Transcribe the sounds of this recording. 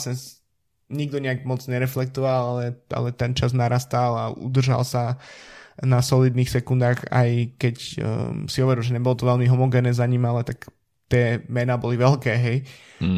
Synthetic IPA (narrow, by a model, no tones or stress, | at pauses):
sɛns | ɲiɡd̪ɔɲɛaɡmɔt͡sɲɛɾɛflɛk̚t̪ɔʋalalɛʔa̰lɛt̪ɛnt͡ʃaznaɾast̪alaṵd̪r̩ʒa̰lsa | nasɔliːd̪niːxsɛkund̪aːxa̰jkɛcsiɔʋɛɾilʒɛɲɛbɔlɔt̪ɔʋɛlmiɦɔmɔɡɛnɛzaɲiːmalɛt̪ak | t̪ɪɛmɛnaːbɔliʋɛlkɛːɦɛj